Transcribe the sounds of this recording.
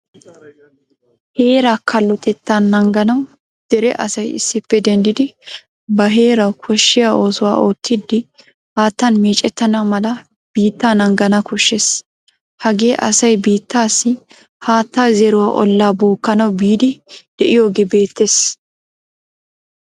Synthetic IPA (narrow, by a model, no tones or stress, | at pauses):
heːɾakʰɐlːɔt̪ɛt̪ːaːnːɐŋɡɐnɐw | d̪̥ɛɾɛʔɐ̰sɐjɪ̰sːɪpːɛd̪ɛnd̪ɪd̪ɪ | bɐɦe̞ːɾɐwkʰɔʃːɪjaːo̞ːsʊwa̰ːʔo̞ːt̪ʰːɪd̪ːɪ | haːt̪ːɐnmeːt͡ʃʼɛt̪ːɐnɐwmɐlɐ | b̥iːt̪ːaːnɐŋɡɐnɐkʰɔʃːes | hɐɡe̞ːʔɐ̰sɐjbiːt̪ːaːsːɪ | haːt̪ːaːzɛɾʊwaːʔɔ̰lːaːboːkːɐnɐwbiːd̪ɪd̪̥ɛʔɪjo̞ːɡeːbe̞ːt̪ːeːs